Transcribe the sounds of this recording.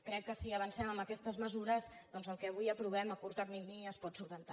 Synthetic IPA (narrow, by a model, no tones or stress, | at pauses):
kɾɛkːəsiəβənsɛməmbəkɛst̪əzməzuɾəzd̪ɔnzəlˠkɛβ̞ujəpɾuβ̞ɛməkuɾt̪əkniɡniəspɔt̪suɾβənt̪a